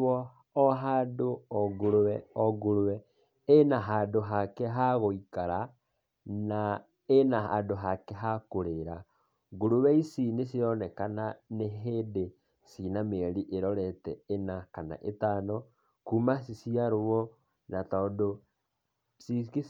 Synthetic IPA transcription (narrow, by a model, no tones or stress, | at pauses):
ɔ | ɔɦadoɔɡoɾoɛɔɡoɾowɛ | enaɦaːdoɦakɛɦaɣoikaɾa | na | enaɦandoɦakɛɦakoɾeɾa | ɡoɾowɛisinesiɔnɛkananeɦeːde | sinameɾiʔeɾɔɾɛtɛenakana̰ʔetanɔ | kumasisiaɾowɔ | natɔːdo | siki